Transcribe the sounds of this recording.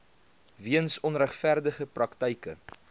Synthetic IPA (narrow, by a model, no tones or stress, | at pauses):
viənsɔnræχfærdəχəprɐktəjkə̰